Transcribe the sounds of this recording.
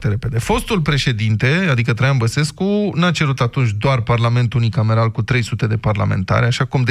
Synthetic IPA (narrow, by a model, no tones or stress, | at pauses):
t̪eɾe̞pe̞d̪e̞fo̞st̪ulpɾe̞ʃe̞d̪int̪e̞ad̪ikət̪ɾajanbəse̞skunat͡ʃe̞ɾut̪at̪unt͡ʃʲd̪oarparlame̞nt̪unikame̞ɾalkut̪ɾe̞jsut̪e̞d̪e̞parla̰me̞̰nt̪a̰ɾaʃakumd̪